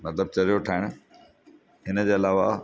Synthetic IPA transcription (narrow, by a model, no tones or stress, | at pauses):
nɐt̪əb̚t͡ɕɐɾijoʈʰaːɪɽ̃ | ɦɪnəd͡ʑeːɐlaːʋa